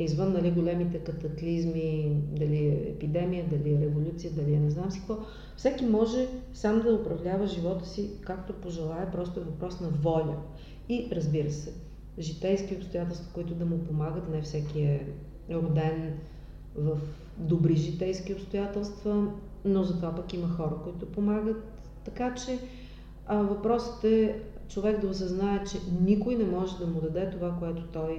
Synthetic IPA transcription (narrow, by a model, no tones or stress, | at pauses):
izvənːɐliɡolʲɛmit̪ɛkɐt̪ɐklizmid̪ɐliɛɛ̰pid̪ɛmijəd̪ɐliɛɾɛvolʲut̪sijəd̪ɐliɛnɛznamsi̥kvɔ | fsɛkimɔʒɛsamod̪ɐʊpɾɐvlʲavəʒivɔt̪ə̥sikakt̪opoʒɛlˠaɛpɾɔst̪ʊɛvɐpɾɔsnɐvɔlʲə | iɾəzbiɾəsɛ | ʒit̪ɛjskiopst̪oʊjat̪ɛlˠst̪vɐ̥koit̪ʊd̪ɐmʊpomaɡət̪nɛfsɛkʲiɛ | ɾod̪ɛn | vəf | d̪obɾiʒit̪ɛjskiopst̪ʊjat̪ɛlˠst̪və | nozɐt̪ovapəkiməxɔɾəkoit̪ʊpomaɡət̪ː | ɐkat͡ʃɛ | əvɐpɾɔsə̥t̪ɛt͡ʃovɛɡd̪ɐosɐznaɛt͡ʃɛnikʊjnɛmɔʒɛd̪ɐmʊd̪ɐd̪ɛt̪ovakoɛt̪ʊ̥t̪ɔj